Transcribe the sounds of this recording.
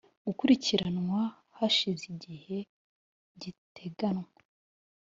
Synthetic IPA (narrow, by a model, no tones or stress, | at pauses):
ɡ̥ukuɾiciɾanwa | haʃiziɟihe̞ | ɟitʰe̞ɡanŋa